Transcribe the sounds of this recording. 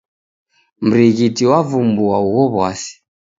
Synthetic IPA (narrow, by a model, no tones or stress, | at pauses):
m̩ɾiɣitiwavumbuauɣɔβwasi̥